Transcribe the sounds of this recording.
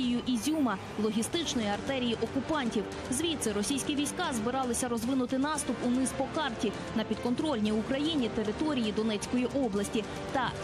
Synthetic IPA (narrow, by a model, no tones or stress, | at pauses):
ijʊʔizʲumɐ | lˠɔɦʲist̪ɪt͡ʃnɔjiɐrt̪ɛɾʲijiʔɔkʊpɑnʲtʲiw | zʋʲit̪sɛɾɔsʲijsʲkʲiʋʲijsʲkɑzbɪɾɑlˠɪsʲɐɾɔzʋɪnʊt̪ɪnɑst̪ʊpʊnɪspɔkɑrtʲi | nɐpʲid̪kɔnt̪ɾɔlʲnʲiʊkɾɐjinʲit̪eɾɪt̪ɔɾʲijid̪ɔnɛt͡sʲkɔjiʔɔblˠɐsʲtʲi | t̪ɐ